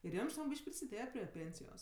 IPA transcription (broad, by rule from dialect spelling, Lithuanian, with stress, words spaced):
ɪr ˈjɛm ʒʲɪˈnoːk ˈbʲiːʃʲkʲ pʲrʲɪsʲɪˈdʲeːjɛ pʲrʲiɛ ˈpʲeːnʲsʲɪjoːs